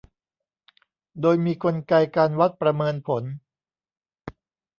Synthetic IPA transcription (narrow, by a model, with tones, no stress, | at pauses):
doː˧jmiː˧kʰo˧nka˧jkaː˧nwa˦˥t̪̚pɾa˧mɤː˧npʰo˩˦n